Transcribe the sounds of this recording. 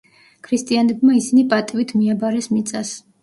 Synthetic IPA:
kʰɾist̪ʼianɛbmaisinipʼat̪ʼivit̪ʰmiabaɾɛsmit̪sʼas

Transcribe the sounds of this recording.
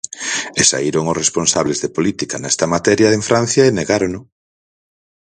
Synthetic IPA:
esa̰iɾoŋʊsresponsaβlezðepolit̪ikɐnɛst̪ɐmat̪ɛɾjɐðeɱfɾan̟θjɐeneɣaɾonʊ

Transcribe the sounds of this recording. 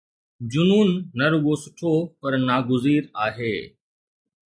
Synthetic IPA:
d͡ʑʊnuːnːɐɾʊɠosʊʈʰopɐɾnaːɡʊziːɾaːɦeː

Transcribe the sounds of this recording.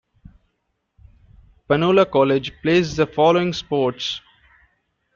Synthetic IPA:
pənoːlakɔːled͡ʒpleːsd̪əfɔːloːɪ̃ŋspoːʈs

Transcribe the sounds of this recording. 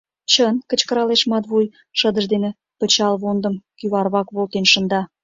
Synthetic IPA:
t͡ɕənkə̆t͡ɕkə̆ɾɑleʃmɑt̪βuj | ʃə̆d̪ə̆ʒd̪enĕ | pə̆t͡ɕɑlβond̪ə̆mkyβɑrβɑkβolˠt̪enʃə̆nd̪ɑ

